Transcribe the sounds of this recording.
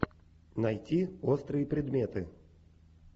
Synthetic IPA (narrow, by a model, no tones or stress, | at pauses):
nɐjtʲiost̪ɾɨjəpɾʲɪd̪mʲe̞t̪ɨ